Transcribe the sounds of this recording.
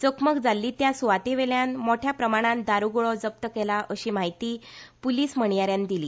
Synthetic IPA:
t͡səkməkd͡zalːiːt̪jasuʋat̪eʋeljanmoʈʰjapɾəmaɽ̃ãnd̪aɾuɡoɭɔd͡zəp̚t̪əkelaʔəɕiːm̤aɦit̪iːpuliːsm̤əɳ̃jaɾjand̪iliː

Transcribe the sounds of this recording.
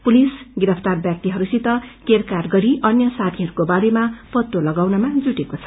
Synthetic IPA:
pulisɡiɾʌpʰt̪arbjak̚t̪iɦʌɾusit̪ʌkerkarɡʌɾiʔʌnjʌsat̪ʰiɦʌɾukobaɾemapʌt̪ːolʌɡawnʌmad͡zuʈekot͡sʰʌ̥

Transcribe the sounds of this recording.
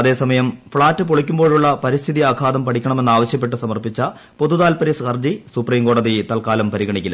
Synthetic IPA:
ɐðe̞ːsɐmɐjɐmfɭaːtːɨpoɭikʲːumboːɻuɭːɐpɐɾist̪ʰiðijaːkʰaːd̪ɐmpɐʈʰikʲːɐɳɐme̞nːaːʋɐɕjɐp̬ːe̞ʈ̬ːɨsɐmɐrpit͡ɕːɐ | po̞ðuðaːlpɐɾisxɐrd͡ʑisupriːmko̞ːɽɐðit̪ɐlkaːlɐmpɐɾiɣɐɳikʲːilɐ

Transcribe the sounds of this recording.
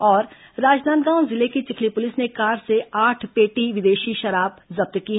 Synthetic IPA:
ɔːɾ | ɾaːd͡ʒd̪aːnd̪ɡãːw̃zɪlekit͡ʃɪkʰlipʊlɪsnekaːɾseaːʈʰpeːʈiʋɪd̪eːʃiʃɐɾaːb̚zɐb̚t̪kiɦ

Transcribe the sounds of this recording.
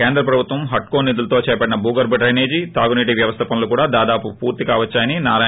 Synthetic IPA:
keːnd̪ɾɐpɾɐbʱut̪ʋɐmɦɐʈkoːnːid̪ulɐt̪o̞ːt͡ʃɛːɐpɐɽinɐbuːɡɐɾbɐʈɾɐjneːd͡ʒit̪aːɡuniːʈ̬iʋjɐʋɐst̪ʰɐpɐnɐlukuːɽaːd̪aːd̪aːpupṵːɾt̪ikaːʋɐt͡ʃːaːjɐninaːɾaː

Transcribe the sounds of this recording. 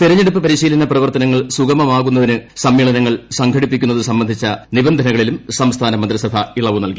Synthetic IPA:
t̪iɾɐɲːeɽupːɨpɐɾiɕiːlɐnɐprɐʋɐrt̪ɐnɐŋːɐɭsuɣɐmɐmaːɣunːɐðinɨsɐmːiːɭɐnɐŋːɐɭsɐŋɡʰʱɐɽipːikʲːunːɐðɨsɐmbɐnd̪ʱit͡ɕːɐnibɐnd̪ʱɐnɐɣɐɭilumsɐmst̪ʰaːnɐmɐnd̪ɾɐsɐbʱɐiɭɐʋunɐlki

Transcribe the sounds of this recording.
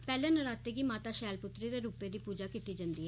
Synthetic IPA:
pɛːlẽːnəɾaːt̪eːɡiːmaːt̪aːʃɛːlpʊt̪ɾid̪eːɾuːpeːd̪iːpuːd͡ʒaːkiːt̪iːd͡ʒə̃nd̪iːɦ

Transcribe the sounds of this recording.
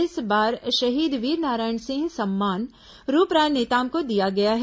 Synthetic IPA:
ɪsbaːɾʃɐɦiːd̪ʋiːɾnaːɾaːɪəɳsɪ̃ŋsɐmːaːn | ɾuːpɾaːjneːt̪aːmkod̪ijaɡɐjaɦ

